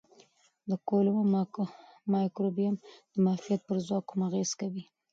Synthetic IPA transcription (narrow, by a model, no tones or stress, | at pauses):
d̪əkolm | mɑjkɾobijamd̪̥əmɑfijat̪̚pəɾzwɑkʰumaɣez̥kawi